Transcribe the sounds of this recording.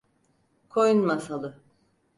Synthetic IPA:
kʰojunmasalˠɯ

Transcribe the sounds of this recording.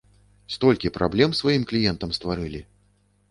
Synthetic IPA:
st̪ɔlʲkʲipɾʔa̰blʲɛmsvajimklʲijɛnt̪ɐmst̪vaɾɨlʲi

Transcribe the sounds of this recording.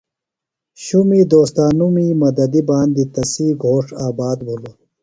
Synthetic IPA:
ɕumiːd̪oːst̪aːnumiːmɐd̪ɐd̪ibaːnd̪it̪ɐsiːɡʱoːʂaːbaːd̪bʱulo

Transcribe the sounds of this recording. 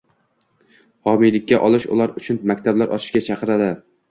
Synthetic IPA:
hɒmijlɪkʲʰːaʔɒlˠɪʃʊ̰lˠaɾʊt͡ʃʰʊnmakʲt̪ʰablaɾʔɒt̪ʰɪ̥ʃkʲat͡ʃʰɑqɨɾad̪ɪ

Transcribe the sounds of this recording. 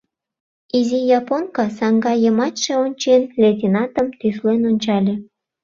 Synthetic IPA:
izijɑponkɑsɑŋɡɑjəmɑt̪ʃeonʲt͡ɕenlʲet̪̬ʲinɑt̪əmt̪yslenonʲt͡ɕɑlʲe

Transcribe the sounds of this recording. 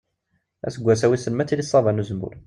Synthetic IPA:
æ̰səɡʷːæsæwisəlmæt͡sːilisˤːɑðˤɑnuzəmṵɾ

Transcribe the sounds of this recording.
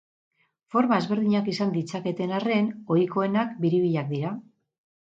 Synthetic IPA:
fo̞ɾmae̞zβe̞ɾð̞iɲakisand̪it͡sake̞t̪e̞nare̞no̞jko̞e̞nakbiɾiβ̞iʎak̚d̪iɾa

